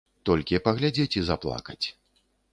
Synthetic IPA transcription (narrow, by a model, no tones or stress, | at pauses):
t̪ɔlʲkʲipɐɣlʲad͡zʲet͡sʲizaplˠa̰kɐt͡sʲ